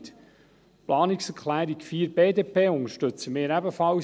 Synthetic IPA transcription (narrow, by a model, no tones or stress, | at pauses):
t̪ | plʔɑːniksəɾkχlæːɾiɡfiːɾbeːd̪epeːʊŋəɾʃtɵt͡səmeːɾæbəfɑl